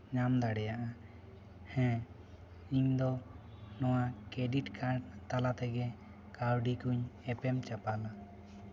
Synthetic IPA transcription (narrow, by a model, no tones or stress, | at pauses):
ɲamd̪aɽɛjaʔa | hɛ̃ | iɲd̪ɔ | nɔwakɛɖiʈkaɖt̪alat̪ɛɡɛ | kaɾɖikuɲɛpɛmt͡ʃapala